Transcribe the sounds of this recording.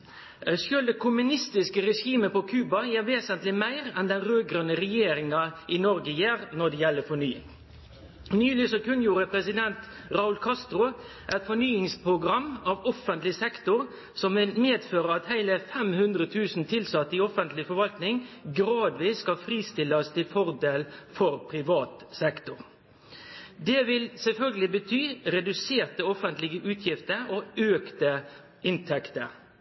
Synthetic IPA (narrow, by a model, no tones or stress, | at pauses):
sʉld̪ɛkʰʊmʉnɪst̪ɪskəɾɛʂiːməpɔkʰʉːbɑjeːʋeːsənt̪lɪmæɪɾɛnd̪ɛnɾøːɡɾœnːəɾɛjeːɾɪŋɑʔɪnɔɾɡəjeːɾnɔɖɛjɛlːəfɔɳyːɪ̰ŋ | nyːlɪsɔkʉnjuːɾəpʰɾɛsɪd̪ɛnt̪ | ɾɑʊlkʰɑst̪ɾʊ | ʔæt̪fɔnyːɪŋspɾʊɡɾɑmːɑːʋɔfənt̪lɪsɛkt̪ʊʁ | sɔmʋɪlmeːd̪føːɾəɾɑt̪hæɪləfɛmhʉnd̪ʁət̪ʰʉːsnt̪ʰɪlsɑt̪ːəɪɔfənt̪lɪfɔɾʋɑlt̪nɪŋɡɾɑːd̪ʋiːskɑfʁiːst̪ɪlːəst̪ʰɪlfɔʁd̪eːlfɔɾpʰɾɪʋɑːt̪sɛkt̪ʊɾ | d̪eːʋɪlsɛlfœlɡəlɪbət̪ʰyːʁɛd̪ʉseːɾt̪əɔfənt̪lɪɡəʔʉːt̪ʰjɪft̪əɾoːøːkt̪ə | ʔɪnt̪ʰɛkt̪əɾ